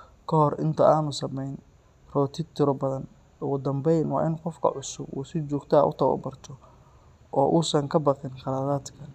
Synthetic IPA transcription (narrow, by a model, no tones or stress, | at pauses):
kʰɐɦɔrɪnt̪ʰɐaːnʊsɐmɛjn | rɔːt̪ʰɪt̪ʰːɪɾɔbɐðɐn | ʊɣʊd̪ɐmbɛjnwɑ̰ːʔɪnqɔfkʰɐ̰ʕʊsʊbṵːsɪt͡ʃɔːɡt̪ʰaːʔʊ̰t̪ʰɐɣɔ̰bɐrt̪ʰɔ | ʔɔːʔuːsɐŋkʰɐbɑqɪnqɑɾaːðaːd̪kʰɐ